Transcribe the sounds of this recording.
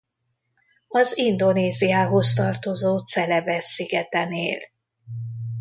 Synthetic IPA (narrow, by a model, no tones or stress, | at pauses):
ɒzind̪o̞neːzijaːɦo̞st̪ɒrt̪o̞zoːt̪sɛlɛbɛsːiɡɛt̪ɛnḛːl